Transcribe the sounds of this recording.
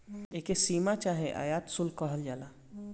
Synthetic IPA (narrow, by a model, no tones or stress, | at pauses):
eːkesiːmat͡ʃaːɦeʔa̰jaːt̪sʊlkəɦəld͡ʒaːla